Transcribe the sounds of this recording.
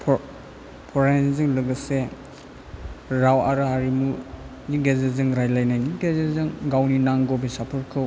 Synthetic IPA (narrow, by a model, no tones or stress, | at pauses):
pʰ | pʰɔɾajnzɯŋlɯɡɯse | ɾawaɾɯɦaɾimu | niɡezezɯŋɾajlajnajniɡezezɯŋɡawninaŋɡɔbisapʰɯɾkʰɯw